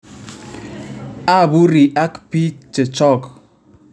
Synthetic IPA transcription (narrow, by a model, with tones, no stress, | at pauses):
a˦˨bu˦ɾi˨ʔa˦kpi˦t͡ʃe˨t͡ʃɔ˦k